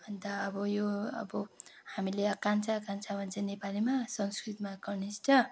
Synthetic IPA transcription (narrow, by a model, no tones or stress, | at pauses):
bʱʌnd̪aʌbʌjoʌ̰bʌhamileʌkant͡sʰaːkant͡sʰabʱʌnt͡sʰʌnepalimasʌŋskrit̪maɡʌrnist͡sʰʌ